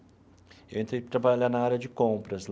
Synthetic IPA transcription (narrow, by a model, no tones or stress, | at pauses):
ewẽnt̪ɾejpt̪ɾabaʎanɐaɾʲɐd͡ʒɪkõpɾɐzl